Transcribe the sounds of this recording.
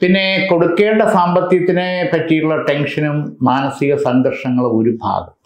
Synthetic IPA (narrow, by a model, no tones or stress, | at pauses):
pinːeko̞ɽukːeːɳɖɐsaːmbɐt̪ːjɐt̪ːinepɐtːijɭːɐʈenʂɐnumːaːnɐsiɣɐsɐŋɡ̪ɐrʂɐŋːɐɭmoɾubʱa̰ːɡɐm